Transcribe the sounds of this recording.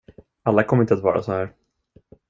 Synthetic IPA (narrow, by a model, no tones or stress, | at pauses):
alːakʰɔmːəɾɪnt̪əat̪vɑ̰ːɾa̰sɔhæːɾ